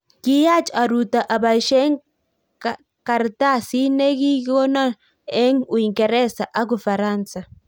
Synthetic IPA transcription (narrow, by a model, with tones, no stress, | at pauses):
ki˦ja˦t͡ʃa˨ɾu˨t̪a˨ʔa˨ba˨iʃɛ˦ŋ | ka˨ɾt̪a˦si˦ne˦ki˦ɡɔ˦na˦ | e˦ŋu˨i˨ŋɡɛ˨ɾɛ˦sa˨ʔa˦k̬u˨fa˨ɾa˦˨nsa˨